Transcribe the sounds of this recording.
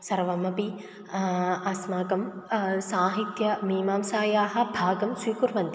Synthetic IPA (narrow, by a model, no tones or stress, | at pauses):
sɐɾʋɐmɐpi | asmaːkɐmsaːɦit̪jɐmiːmaːmsaːjaːɦɐ̆bʱaːɡɐmsʋiːkuɾʋɐnt̪i